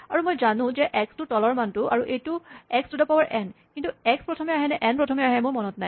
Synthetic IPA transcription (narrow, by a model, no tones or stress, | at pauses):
aɹumojzanʊ̃zɛʔɛkstʊtɔlɔɹmantʊʔa̰ɹuʔejtʊɛkstʊdɛpawaɹʔɛnkintuɛkspɹɔtʰɔmɛaɦɛnɛʔɛnpɹɔtʰɔmɛaɦɛmʊɹmɔnɔtnaj